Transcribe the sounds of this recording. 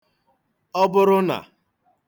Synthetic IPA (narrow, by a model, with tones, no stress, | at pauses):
ɔ˦bʊ˦ɾʊ˦na̰˨